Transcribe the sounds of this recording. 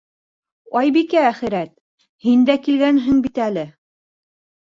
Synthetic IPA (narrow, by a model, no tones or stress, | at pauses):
ɑjbikææχɘ̆ɾæt̪̚ | hind̪ækilɡænɦɘŋbit̪ælɘ